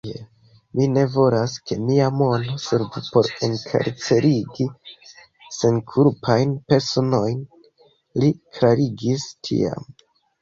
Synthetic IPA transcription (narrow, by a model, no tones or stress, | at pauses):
ḛ | mine̞vo̞laske̞miamo̞no̞seɾvupo̞ɾe̞ŋkʰḛɾt͡se̞ɾiɡi | se̞nkʰuɾpʰajnpe̞ɾso̞no̞jn | liklaɾiɡistʰḭa̰m